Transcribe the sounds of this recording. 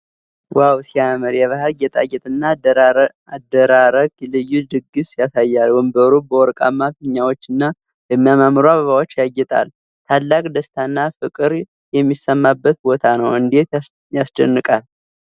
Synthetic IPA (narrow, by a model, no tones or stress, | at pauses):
wʔawsiamɨɾjɛβahəlɡɛt̪ʼajɛt̪ʼɨnːa | ad̪əɾaɾəɡlɨjːud̪ɨɡɨsjasajːalwɔjmbəɾubəwɔɾkʼa̰mːafɨɲːawot͡ʃːɨnːa | jɛmːijamamɾoaβəβawo̞t͡ʃːjaɡːɛt̪ʼa̰l | t̪ʰalːakʼd̪əst̪ʰanːafɨkʼɨɾ | jɛmːisːəmːabːət̪̚bo̞t̪ʰanəwɨnd̪e̞t̪ | jasd̪ə̰nːɨkʼal